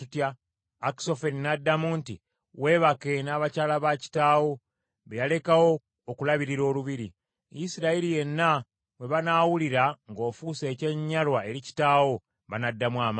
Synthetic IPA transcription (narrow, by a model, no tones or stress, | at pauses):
itjaː | ki̥so̞feninadːamunti | we̞ːβake̞naːβacaːlaβaci̥taːwo̞ | βejale̞kawo̞ː | kulaβiɾiɾo̞ːluβiɾi | jisiɾaiɾije̞nːa | we̞βanaːwuliɾaŋɡo̞ːfuːse̞ːce̞ɲːalwae̞ɾici̥taːwo̞ | βanadːamwaːm